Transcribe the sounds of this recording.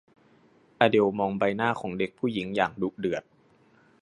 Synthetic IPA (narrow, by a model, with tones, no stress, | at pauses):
ʔaː˧de˧wmɔː˧ŋba˧jnaː˥˩xʰɔː˩˦ŋde˨˩˦k̚pʰuː˥˩ji˩˦ŋjaː˨˩ŋdu˨˦k̚dɯ˨˩ət̪̚